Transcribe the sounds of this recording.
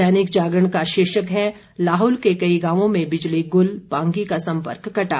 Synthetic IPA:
ɛːnɪkd͡ʒaːɡəɽ̃kaʃɪːʃəkɦɛ | laːɦuːlkekɐiɡãːʋõmẽbɪd͡ʒliɡʊlbãːŋɡikasɐ̃mpə̰ɾkːɐʈa̰ː

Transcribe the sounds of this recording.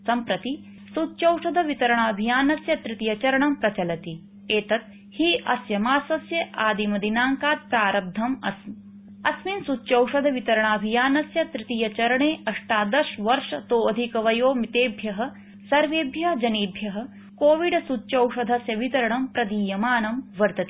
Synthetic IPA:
sɐmpɾɐt̪i | sutːt͡ʃɐwʂɐd̪ʱɐʋit̪ɐɾɐɳaːɐbʱijaːnɐsjɐt̪ɾit̪ijɐt͡ʃɐɾɐɳɐmpɾɐt͡ʃɐlɐt̪i | eːt̪ɐt̪̚ | hiːʔɐsjɐmaːsɐsjɐʔaːd̪imɐd̪inaːŋkaːt̪̚pɾaːɾɐb̚d̪ʱɐmɐ̰sm | ɐsminsutːt͡ʃɐwʂɐd̪ʱɐʋit̪ɐɾɐɳaːɐbʱijaːnɐsjɐt̪ɾɪt̪ijɐt͡ʃɐɾɐɳeːɐʂʈaːd̪ɐʃʋɐɾʂɐt̪oːɐd̪ʱikɐʋɐjoːmit̪eːbʱjɐɦɐ̆ | sɐɾʋeːbʱjɐd͡ʒɐniːbʱjɐɦɐ̆ | koːʋiɖɐsut͡ʃɐwʂɐd̪ʱɐsjɐʋit̪ɐɾɐɳɐmpɾɐd̪iːjɐmaːnɐmʋɐɾt̪ɐt̪i

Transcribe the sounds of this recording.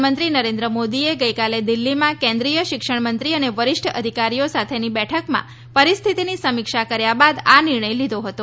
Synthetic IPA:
mə̃nt̪ɾinəɾẽnd̪ɾəmod̪ieɡəjkaled̪ilːimãkɛ̃nd̪ɾijəʃɪkʂəɳ̃mənt̪ɾiəneʋəɾɪʂʈʰəəd̪ʱikaɾijosat̪ʰenibɛʈʰəkmã̰ | pəɾist̪ʰit̪inisəmikʃakəɾjabad̪anɪɾɳəjlid̪ʱoɦət̪o

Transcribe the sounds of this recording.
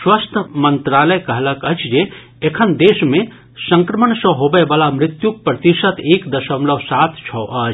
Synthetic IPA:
swəst̪ʰmənt̪ɾaləjkəɦləkət͡ʃd͡ʒe | ekʰənd̪eːsmẽ | sə̃ŋkɾəmənsə̃ɦobəbalamɾɪt̪juk̚pɾət̪iʃət̪ʰeːkd̪ɐsəmləʋsat̪ʰt͡ʃʰɔʔɐt͡ʃ

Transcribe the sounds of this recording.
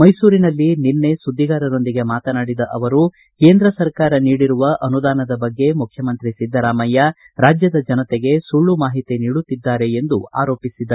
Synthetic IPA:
mɐjsuːɾinɐlːininːe̞sud̪ʱːiɡaːɾɐɾo̞nd̪iɡe̞maːt̪ɐnaːɽid̪ɐʔɐʋɐɾu | ke̞ːnd̪ɾɐsɐɾkaːɾɐniːɽiɾuʋɐʔɐnud̪aːnɐd̪ɐbɐɡːe̞mukʰjɐmɐnt̪ɾisid̪ʱːɐɾaːmɐjːa | ɾaːd͡ʒjɐd̪ɐd͡ʒɐnɐt̪eɡe̞suɭːumaːɦit̪iniːɽut̪ːid̪ːaːɾe̞end̪ua̰ːɾo̞ːpisid̪ːɐ

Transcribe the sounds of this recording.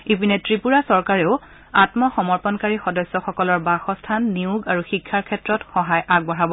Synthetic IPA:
ipinɛtɹipuɹasɔɹkaɹɛʊ | atmɔxɔmɔɹpɔnkaɹixɔdɔsːɔxɔkɔlɔɹbaxɔstʰanːiuɡaɹuxikʰːaɹkʰɛtɹɔtxɔɦajʔaɡ̚bɔɹabɔ

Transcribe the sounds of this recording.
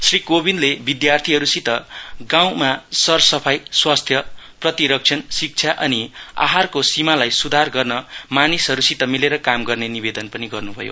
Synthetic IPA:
srikobinlebid̪jart̪ʰiɦʌɾusit̪ʌɡãw̃masʌrsʌpʰajswast̪ʰjʌprʌt̪iɾʌk̚t͡ʃʰʌnsik̚t͡sʰjaʔʌnia̰ɦarkosimalajsud̪ʱarɡʌrnʌmanisɦʌɾusit̪ʌmileɾʌkamɡʌrnenibed̪ʌnpʌniɡʌrnubʱʌ̰jo̰

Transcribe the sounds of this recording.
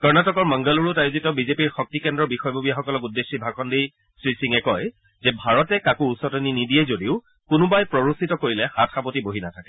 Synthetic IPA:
kɔɹnatɔkɔɹmaŋɡaluɹʊtajuzitɔbizepiɹxɔk̚tikɛndɹɔɹbixɔjbʱobijaxɔkɔlɔkudːesːibʱakʰɔndi | sɹisiŋɛkɔj | zɛbʱaɹɔtɛkakuusɔtɔninidiɛzodiʊ | kʊnʊbajpɹɔɹusitɔkoɹilɛhatʰapotiboɦinatʰakɛ

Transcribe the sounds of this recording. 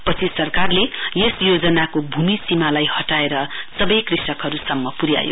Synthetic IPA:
pʌt͡sʰisʌrkarlejesjod͡zʌnakobʱumisimalajhʌʈaeɾʌsʌbʌjkrisʌkɦʌɾusʌmːʌpuɾja̰jo̰

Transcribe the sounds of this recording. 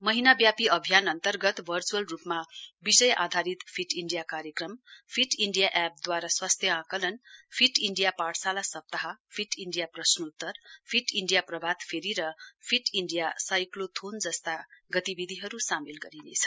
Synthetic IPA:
mʌɦinabjapiʌbʱjanʌnt̪ʌrɡʌt̪bʱʌrt͡suʌlrupmabisʌja̰d̪ʱaɾit̪pʰiʈiɳɖijakaɾjekrʌmpʰiʈiɳɖijaʔɛp̚d̪waɾaswast̪ʰjʌãkʌlʌnpʰiʈiɳɖijapaɽsalasʌp̚t̪aɦʌpʰiʈiɳɖijaprʌsnʌut̪ːʌrpʰiʈiɳɖijaprʌbʱad̪pʰeɾiɾʌpʰiʈiɳɖijasajklot̪ʰond͡zʌst̪aɡʌt̪ibid̪ʱiɦʌɾusamilɡʌɾinḛt͡sʰʌ̥

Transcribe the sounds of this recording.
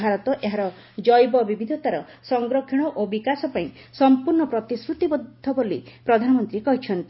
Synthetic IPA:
aɾɔt̪ɔʔeɦaɾɔ | d͡ʒɔjbɔbibʱid̪ʱɔt̪aɾɔsɔŋɡɾɔkʰiɽ̃ɔʔobikasɔpaĩsɔmpuɾɳɔpɾɔt̪isɾut̪ibɔd̪ʱːɔbolipɾɔd̪ʱanɔmɔnt̪ɾikɔɦit͡ʃʰɔnt̪i

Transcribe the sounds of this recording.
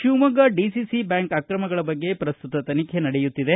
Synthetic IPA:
ʃuːmɐɡɐɖisisibaːŋkakɾɐmɐɡɐɭɐbɐɡːe̞pɾɐst̪ut̪ɐt̪ɐnikʰenɐɽejut̪ːid̪e̞

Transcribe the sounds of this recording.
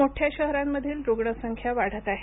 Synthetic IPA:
oʈʰjaɕəɦɾamːəd̪ʱiːlɾoɡɳəsəŋkʰjaʋaɽ̤ət̪aɦe

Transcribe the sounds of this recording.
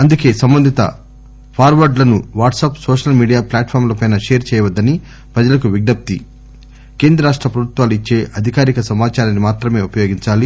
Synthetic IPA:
ɐnd̪uke̞ːsɐmbɐnd̪ʱit̪ɐ̰ | pʰaːɾʋɐɾɖlɐnuʋaːʈsɐpsoːʂɐlmiːɖijaːplaːʈpʰaːɾmlopɐjnaʃeːɾt͡ʃɛːjɐʋɐd̪ːɐni | pɾɐd͡ʒɐlɐkuʋiɡ̚ɖɐp̚t̪i | ke̞ːnd̪ɾɐɾaːʂʈɾɐpɾɐbut̪ʋaːluit͡ʃːe̞ːʔɐd̪ʱikaːɾikɐsɐmaːt͡ʃaːɾɐnimaːt̪ɾɐme̞ːupɐjoːɡiɲt͡ʃaːli

